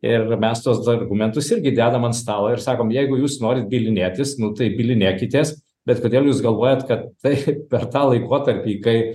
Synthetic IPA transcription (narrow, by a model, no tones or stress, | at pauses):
ɪrmʲɛst̪uɔsd̪ɐrɡʊmʲɛnt̪ʊsɪɾʲɡʲɪd̪ʲæːd̪ɐmɐnt̪st̪ɑːlˠoːɪɾsɑːkoːmjɛɪɡʊjuːsnoːɾʲɪt̪̚bʲilʲɪnʲeːt̪ʲɪsnʊt̪ɐɪbʲilʲɪnʲeːkʲɪt̪ʲeːs | bʲɛt̪koːd̪ʲeːlˠjuːsɡɐlˠʋoːjɛt̪kɐt̪tɐɪpʲɛrt̪ɑːlˠɐɪkoːt̪ɐɾʲpʲiːkɐɪ